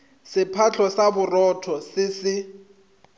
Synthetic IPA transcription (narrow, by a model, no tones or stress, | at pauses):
sɪpʰat͡ɬʰɔsabʊrɔtʰɔsɪsɪ